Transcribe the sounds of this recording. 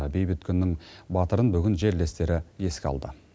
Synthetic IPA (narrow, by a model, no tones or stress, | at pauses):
be̞jbɪt̪̚kʲʰʏnːɪŋbɑt̪əɾənbʏɡʲɪnʒe̞ɾle̞st̪e̞ɾɪje̞skʲɑ̰lˠd̪ə